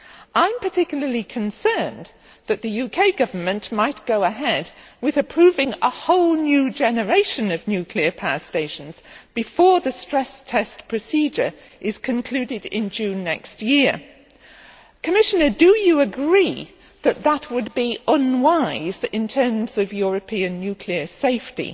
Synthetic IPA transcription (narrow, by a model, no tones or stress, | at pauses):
ʔãɪ̃mpʰə˞tʰɪkjl̩ˠəlikʰɨ̃nsɜ̃˞n | ðɨt̪̚ðɨjʉkʰeɪɡʌvə˞mɨ̃nʔmaɪt̚ɡ̥oʊəɦɛd̚wɨðɨpʰɹ̥ʉvɪ̃ŋəhoʊlˠnjʉd͡ʒɛnə˞eɪʃɨ̃nʌvnjʉkʰliə˞pʰæsteɪʃn̩z̥b̥ɨfɔɹðɨstɹ̥ɛstʰɛspʰɹ̥ɨsid͡ʒə˞ | ʔɪz̥kʰɨ̃nkʰl̥ʉɾɪɾɪ̰̃nd͡ʒʉ̃nːɛ̰kst̚jɪɹ | kʰɨmɪʃɨnə˞dɨjɨəɡɹi | ðɨt̪̚ðət̚wəd̚biə̃nwaɪzɪ̃ntʰɜ̃˞mz̥ʌvjʊɹɨpʰĩɨ̃nːjʉkʰliə˞seɪftḭ